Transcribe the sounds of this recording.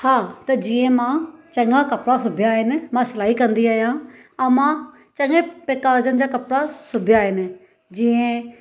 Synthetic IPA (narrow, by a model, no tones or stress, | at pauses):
hãːt̪ɐd͡ʒɪẽːmãːt͡ʃəŋɡãːkəpɽaːsʊbjaːenmãːsəlaːiːkənd̪iːaːjãː | ãmãː | t͡ʃə̃ŋɡẽːpeːkaːɾd͡ʒənd͡ʒaːkəpɽaːsʊbjaːen | d͡ʒɪẽː